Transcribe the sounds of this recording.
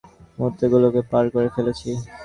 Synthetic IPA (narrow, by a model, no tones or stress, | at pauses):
mot̪ːeɡulokepaɾkoɾefelet͡ɕʰi